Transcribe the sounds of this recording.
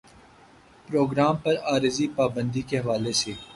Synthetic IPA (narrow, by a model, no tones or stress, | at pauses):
pɾoːɡɾaːmpɐɾaːɾɪzipaːbə̃nd̪ikeɦɐʋaːleseː